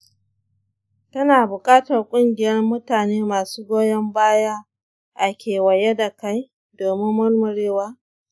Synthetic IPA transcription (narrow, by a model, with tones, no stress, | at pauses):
tɐ˦naː˨bʊ˨kʼaː˦tɐ˨rkʷʼʊ˦ŋɡʲɪ˨jɐ˦rmʊ˦taː˨neː˦maː˨suː˦ɡʷoː˦jɐ˦mbaː˦ja˦ | ʔa˨kʲeː˨wɐ˨je˦da˨ka˦j | doː˨mɪ˦mːʊ˦rmʊ˨ɽeː˦waː˦